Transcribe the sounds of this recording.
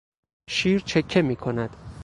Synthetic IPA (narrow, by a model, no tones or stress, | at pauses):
ʃiːɾt͡ʃʰe̞kʰːe̞miːkʰo̞næd̪̥